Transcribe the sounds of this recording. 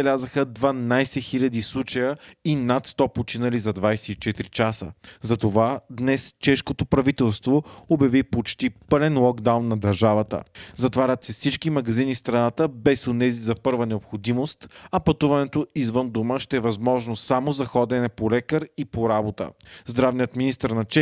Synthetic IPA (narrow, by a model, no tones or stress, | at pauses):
bɛlʲazəxəd̪vɐnajsɛxilʲɐd̪islˠut͡ʃɐjəinat̪st̪ɔpot͡ʃinɐlizɐd̪vajsɛit͡ʃɛt̪ɾit͡ʃasə̰zɐt̪ovad̪nɛst͡ʃɛʃkot̪opɾɐvit̪ɛlˠst̪voobjɐvipot͡ʃt̪ipɤɾɛnlˠɔɡd̪awnːɐd̪ɐɾʒavɐt̪ə̰zɐt̪vaɾʲət̪sɛfsit͡ʃkimɐɡɐzinifst̪ɾɐnat̪əbɛsonɛzizɐpɤɾvənɛopxod̪imost̪ɐpɐt̪uvɐnɛt̪oizvənd̪uməʃt̪ɛːvɐzmɔʒnosamozɐxɔd̪ɛnɛpolɛkəɾipoɾabot̪ə̰zd̪ɾavnijət̪minist̪əɾnɐt͡ʃɛ